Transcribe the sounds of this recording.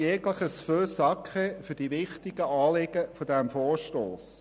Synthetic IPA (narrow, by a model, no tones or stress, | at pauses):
jɛɡləχəsføːsɑkχefɵɾd̥iʋɪχtɪɡ̥əɑːlɪɡ̥əfodæmfoːɹʃtoːs